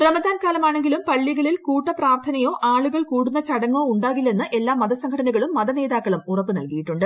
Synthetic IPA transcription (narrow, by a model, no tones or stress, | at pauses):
prɐmɐd̪ʱaːnkaːlɐmaːɳe̞ŋɡilumpɐɭːiɣɐɭilkuːʈːɐpraːrt̪ʰɐnɐjo̞ːʔaːɭuɣɐɭkuːɽunːɐt͡ɕɐɽɐŋːo̞ːuɳɖaːɣilːe̞nːɨʔe̞lːaːmːɐðɐsɐŋkʰɐʈɐnɐɣɐɭumːɐðɐne̞ːðaːkːɐɭumurɐpːɨnɐ̰lkijiʈːuɳɖɨ